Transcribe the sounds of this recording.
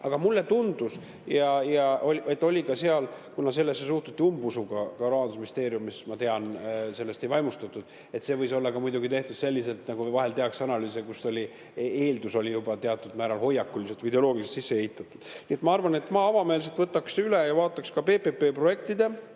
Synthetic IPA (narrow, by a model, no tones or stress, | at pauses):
ɑɡ̥ɑmulːe̞t̪und̪̥us | jɑjɑʔolʲʔe̞t̪ːˑo̞lʲikɑse̞ɑlkunɑse̞lːesːesuht̪ut̪ʲːiumbusuɡɑkɑɾɑɑnd̪usmist̪e̞ːɾijumːismɑt̪e̞ɑnse̞lːe̞st̪e̞jvɑjmust̪ɑt̪ːˑud̪̥ | e̞t̪se̞ːvɤjso̞lːɑkɑmujd̪uɡit̪e̞ht̪ud̪se̞lʲːise̞lt̪nɑɡuvɑɦe̞lt̪e̞ɑksɑnɑlyːs̬ekusːo̞lʲi | eeːld̪uso̞lʲijubɑt̪e̞ɑt̪ːˑud̪mæːɾɑlɦo̞jːɑkːuliselt̪vijd̪eo̞lo̞ːɡilse̥t̪sisːee̞hit̪ːˑɑt̪ːˑud̪̥nie̞t̪mɑɑrvɑne̞t̪ːˑmɑːɑvɑme̞ːls̬et̪vɤt̪ːˑɑksylejɑvɑːt̪ːˑɑkskɑpe̞ːpepe̞ːpro̞je̞kt̪id̪e̞